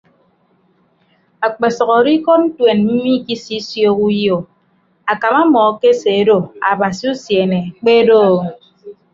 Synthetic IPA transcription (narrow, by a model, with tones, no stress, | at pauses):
a˨k͡pe˨sɔ˨ɣɔ˨ɾi˦kɔ˦t̚n̩˦twe˨nm̩˦mi˦ki˦si˦sjo˦ku˦jo˨ | a˨ka˨ma˦mɔ˨˦ke˦se˨˦do˦a˨ba˨si˦u˦sje˨ne˨k͡pe˦doː˦˨